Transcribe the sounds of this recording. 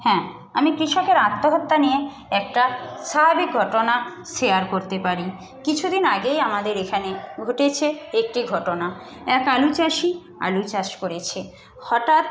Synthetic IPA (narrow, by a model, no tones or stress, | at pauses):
hɛ̃ː | amikɾiʃokeɾat̪ːoɦot̪ːanie | ɛk̚ʈaʃaɦabik̚ɡʱɔʈonaʃejaɾkoɾt̪epaɾi | kit͡ɕʰud̪inaɡejamad̪eɾekʰaneɡʱoʈet͡ɕʰeek̚ʈiɡʱɔʈona | ɛkalut͡ɕaʃi | a̰lut͡ɕaʃkoɾet͡ɕʰe | hɔʈat̪̚